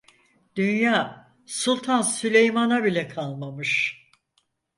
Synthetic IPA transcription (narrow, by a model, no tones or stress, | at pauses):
d̪̥ynjaː | sulˠt̪ʰansylʲejmanabilʲɛkʰalˠmamɯʃ